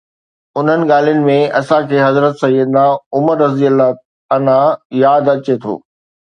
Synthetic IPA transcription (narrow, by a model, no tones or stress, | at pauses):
ʊn̤ənɪ̆ɠaːl̤ijʊnɪ̆mẽɐsãkʰeːɦɐzɾət̪sɐjəd̪naːʊməɾːɐziəla | ɐnãjaːd̪ɐt͡ɕet̪ʰo̰ː